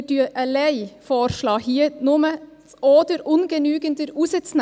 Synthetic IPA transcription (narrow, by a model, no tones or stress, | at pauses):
dyːʔɛleɪfoːɾʃlɑːhiːənʊmə | oːd̪əɾʊnɡənyːɡənd̪əɾuːsət̪sn